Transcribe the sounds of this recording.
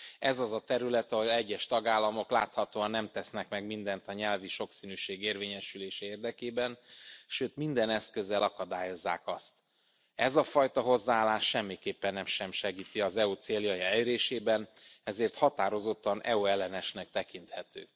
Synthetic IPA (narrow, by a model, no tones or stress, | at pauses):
ɛzɒzɒt̪ɛɾylɛt̪ɒɦolɛɟːɛʃt̪ɒɡaːlːɒmo̞klaːt̪hɒt̪oːɒnːɛmt̪ɛsnɛkmɛɡmind̪ɛnt̪ɒɲɛlviʃo̞ksinyːʃeːɡeːrveːɲɛʃyleːʃɛeːrd̪ɛkeːbɛnʃøːt̪mind̪ɛnɛskø̞zɛlɒkɒd̪aːjo̞zːa̰ːkɒst̪ | ɛzɒfɒjt̪ɒɦo̞zːaaːlaːʃːɛmːikeːpːɛnːɛmʃɛmʃɛɡiːt̪iɒzɛut̪seːljɒjiɛlɾeːʃeːbɛnɛzeːrt̪hɒt̪aːɾozo̞t̪ːɒnʔɛ̰uɛlːɛnɛʃnɛk̚t̪ɛkin̪t̪hɛt̪øː